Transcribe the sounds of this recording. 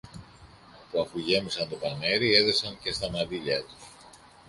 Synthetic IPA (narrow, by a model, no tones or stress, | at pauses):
puɐfuʝe̞misɐnt̪o̞pɐne̞ɾie̞ðo̞sɐnce̞st̪ɐmɐd̪iʎɐt̪u̥s